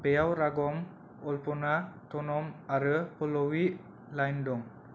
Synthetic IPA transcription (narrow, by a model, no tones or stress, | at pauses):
pejawɾaɡɔŋ | ɔlpɔnat̪ɔnɔmaɾəpəlɔwiʔ | lajndɔŋ